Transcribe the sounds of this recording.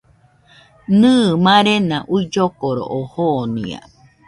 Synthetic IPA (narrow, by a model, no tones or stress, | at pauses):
nɨːmãɾenãʔuid͡ʒokoɾo̰ʔohonḭ̃a̰